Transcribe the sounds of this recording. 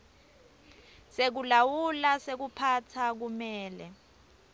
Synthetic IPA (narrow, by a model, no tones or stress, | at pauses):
sek̬ulawulasek̬upʰatʰak̬umɛːlɛ̰